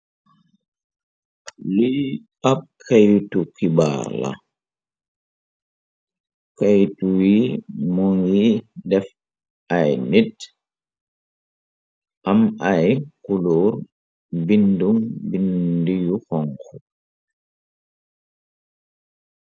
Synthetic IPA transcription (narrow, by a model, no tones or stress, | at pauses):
li | ap̚kʰajtukiba̰ːɾla̰ | kajtuwimɔŋjidɛf | ʔajnit | ʔamajkulɔːɾ | bindumbindijuxɔŋku